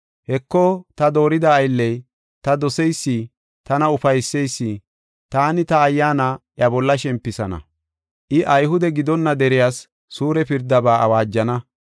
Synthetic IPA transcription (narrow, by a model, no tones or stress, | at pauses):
hɛkːɔt̪ɐd̪o̞ːɾɪd̪ɐːjlːɛj | t̪ɐd̪ɔsɛjsːi | t̪ɐnɐʊfɐjsːɛjsːi | t̪aːnɪt̪ɐːjːaːnaʔjɐbɔlːɐʃɛmpːɪsɐnɐ̰ | ʔɪʔɐjɦʊd̪ɛɡɪd̪ɔnːɐd̪ɛɾɪjaːsː | uːɾɛpɪɾd̪ɐbaːɐ̰waːd͡ʒːɐnɐ